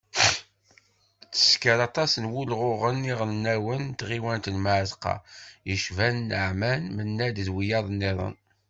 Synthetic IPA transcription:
t͡sːə̥skəɾɑt̪ˤɑsənwʊlʁʊʁənːiʁlənːæwənt̪ʁiwænt̪ənmaʕzqɑ̰jəʃvænːəʕmænmənːæd̪əðwijɑðˤnːiðˤə̰n

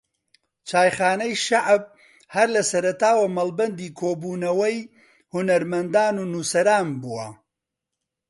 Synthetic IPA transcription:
t͡ʃʰaːjχaːnɐjʃaʕb̚ | hɐɾlɐsɐɾɐt̪aːwɐmɐlˠbɐnd̪iːkʰoːbuːnɐwɐj | hʊnɐɾmɐnd̪aːnuːnusɐɾaːnbuːwɐ̰

